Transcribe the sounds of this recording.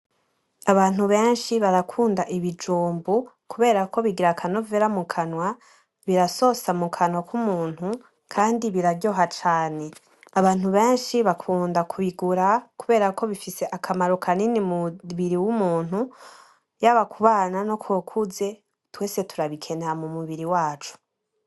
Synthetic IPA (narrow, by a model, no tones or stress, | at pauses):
aβaːn̥uβe̞ːnʃiβaɾakʰuːndaʔiβid͡ʒuːmbu | kuβe̞ːɾako̞βiɡiɾakʰano̞veɾamukʰanwa | βiɾaso̞samukʰanwakumuːn̥hu | kʰaːndiβiɾaɟo̞ːɦat͡ʃaːne̞ | aβaːn̥huβe̞ːnʃiβakʰuːndakuβiɡuɾakuβe̞ːɾako̞βifise̞ʔakʰamaɾo̞kʰaninimuβiɾiwumuːn̥hu | jaβakʰuβaːnano̞kwokʰuze̞ | twe̞ːse̞tuɾaβikʰe̞neamumuβiɾiwaːt͡ʃu̥